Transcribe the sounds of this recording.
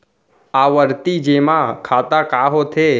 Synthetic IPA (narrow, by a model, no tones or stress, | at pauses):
aʋəɾt̪id͡ʒemãkʰat̪akaɦot̪ʰe